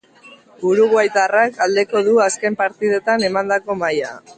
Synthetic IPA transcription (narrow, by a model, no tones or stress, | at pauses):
buɾuɣwajt̪arakald̪e̞ko̞ð̞uaske̞mpaɾt̪ið̞e̞t̪ane̞mand̪ako̞maja